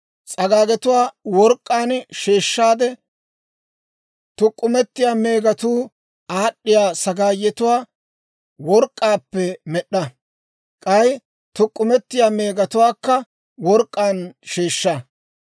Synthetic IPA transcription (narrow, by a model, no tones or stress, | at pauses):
t͡sʼɐɡaːɡɛt̪ʊwaːwɔɾkʼːaːnʃeːʃːaːd̪ɛ | t̪ʊkʼːʊmɛt̪ːɪjaːme̞ːɡɐt̪uː | aːɗːɪjaːsɐɡaːjːɛt̪ʊwaː | wɔɾkʼːaːpːɛmɛɗːɐ | kʼɐj | t̪ʊkʼːʊmɛt̪ːɪjaːme̞ːɡɐt̪ʊwaːkːɐ | wɔɾkʼːaːnʃeːʃːa